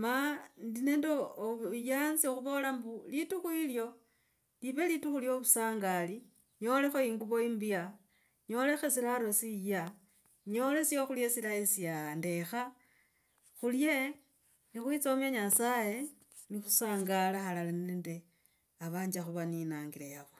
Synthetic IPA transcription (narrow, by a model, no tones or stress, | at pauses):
mandine̞ːndojanzioxuβo̞lambulituxuiljo̞ | liβe̞lituxuljo̞βusaːŋɡali | ɲo̞le̞xo̞iŋɡuβo̞imbia | ɲo̞ːle̞xe̞silaɾo̞sija | ɲo̞le̞sioxuljesilaesiande̞xa | xulje̞ | nixwit͡soomeɲasaje̞ | nixu̥saːŋɡalaxalalannende̞ | aβaːɲd͡ʒaxuβaninaːŋɡilejaβo